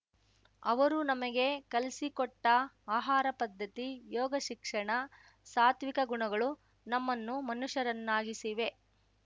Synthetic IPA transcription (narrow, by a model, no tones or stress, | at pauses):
ɐ̰ʋɐɾunɐmɐɡe̞kɐlisikɔʈːɐ | aːɦaːɾɐpɐd̪ʱːɐt̪ijɔːɡɐʃikʂɐɳɐ | saːt̪ʰʋikɐɡuɳɐɡɐɭu | nɐmːɐnːumɐnuʂɐɾɐnːaːɡisiʋe̞